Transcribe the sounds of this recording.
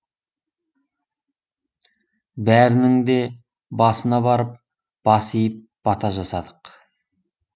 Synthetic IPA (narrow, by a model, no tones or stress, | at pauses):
bæɾɪnɪŋd̪e̞ | bɑsənɑbɑɾəp̚ | b̥ɑsijəp̚b̥ɑt̪ʰɑʒɑsɑd̪əq